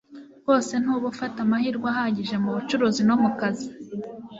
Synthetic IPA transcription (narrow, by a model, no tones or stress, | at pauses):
βo̞ːse̞n̥uːβufatamahiɾɡwaɦaɟiʒe̞muβut͡ʃuɾuzino̞mukazi